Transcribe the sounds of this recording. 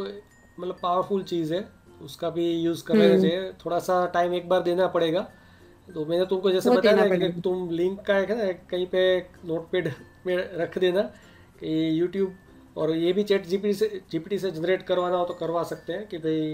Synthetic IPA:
t̪o | mɐt̪ləbpaːʋəɾpʰʊlt͡ʃiːzɦɛː | ʊskabʱijuːzkɐɾaɡad͡ʒet̪ʰoːɽasaʈaːɪmeːk̚baːɾd̪eːnapɐɽeːɡaː | t̪omɛ̃ːnet̪ʊmkod͡ʒɛːsebɐt̪ajenat̪ʊmlɪ̃ŋkːaekʰnaekɐɦĩpenoːʈpeːɖ | mẽɾɐkʰd̪eːna | kijuːʈjuːb | ɔːɾjebʱit͡ʃɛːʈd͡ʒiːpiʈised͡ʒiːpiːʈised͡ʒɐnɾeːʈkɐɾʋaːnaɦot̪okɐɾʋasɐk̚t̪eɦɛ̃kibʱɐi

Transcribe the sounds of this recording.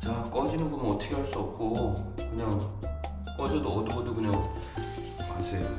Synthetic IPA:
t͡ɕak͈ʌd͡ʑinɯnkɯmʌt͈ʰʌɡʰeɦaɭs͈uʌp̚k͈okɯɲaŋ | k͈ʌd͡ʑidoʌduɡʌdukɯɲʌŋ | kasʰejo

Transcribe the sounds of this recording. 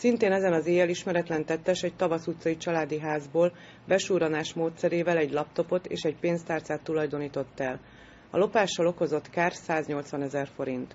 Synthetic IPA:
sint̪eːnɛzɛnɒzeːjɛliʃmɛɾɛt̪lɛnt̪ɛt̪ːɛʃɛɟ̚t̪ɒvɒsut̪sɒit͡ʃɒlaːd̪iɦaːzboːl | bɛʃuːɾɒnaːʃmoːt̪sɛɾeːvɛlɛɟlɒp̚t̪o̞po̞t̪ḛːʃɛɟpeːnst̪aːrt̪saːt̪ːulɒjd̪o̞niːt̪o̞t̪ːɛl | ɒ̰lo̞paːʃːɒlo̞ko̞zo̞t̪kaːrsaːzɲo̞lt̪sʋɒnɛzɛrfo̞ɾint̪

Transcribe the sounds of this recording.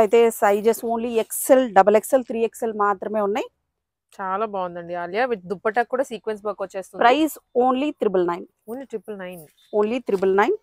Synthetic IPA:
ɐjt̪eːsɐjd͡ʒesoːnliekselɖɐbɐlekselt̪ʰɾiːekselmaːt̪ɾɐme̞ːunːaj | t͡ʃaːlaːbaːʋund̪ɐɳɖiɐlijaːʋiʈd̪upːɐʈːaːkkːuːɽaːsiːkʋensbɐjkʋɐt͡ʃːeːst̪unpɾɐjsoːnliʈɾip̬ɐlnɐjn | oːnliʈɾipːɐlnɐjn | oːnlit̪ɾipɐlnɐjn

